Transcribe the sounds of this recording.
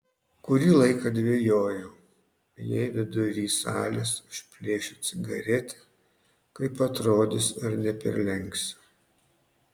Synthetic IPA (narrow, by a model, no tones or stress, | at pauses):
kʊɾʲiːlˠɐɪkɐd̪ʲʋʲejoːjoː | jɛɪʋʲɪd̪ʊɾʲiːsɑ̰ːlʲesʊʃʲpʲlʲeːʃʲot̪sʲɪɡɐɾʲɛt̪ʲɛ̥ | kɐɪpɐt̪ɾoːd̪ʲɪsɐɾnʲɛpʲɛ̰ɾʲlʲɛŋʲksʲ